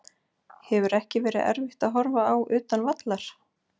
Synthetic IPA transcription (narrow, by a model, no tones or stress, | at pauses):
hɛvʏɾɛhcɪvɛːɾɪðɛ̰ɾvɪht̪aðɦɔɾvaawʔʏːt̪anvat̪laɾ̥